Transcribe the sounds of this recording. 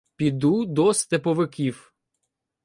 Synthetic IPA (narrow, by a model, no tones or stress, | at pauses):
pʲid̪ud̪ɔst̪epɔʋɪkʲiw